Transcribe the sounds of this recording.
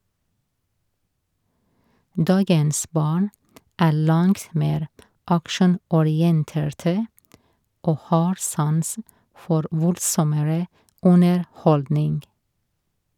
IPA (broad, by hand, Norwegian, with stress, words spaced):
ˈdɑːɡəns ˈbɑːɳ ˈæː ˈɭɑŋt ˈmeːɾ ˈɑkʃɳ̩ɔˌɾɪənteːɹtə ˈoː ˈhɑːɾ ˈsɑnsn̩ ˈfɔɾ ˈʋʊldsɔməɹə ˌʊnəɹˈhɔldnɪŋɡ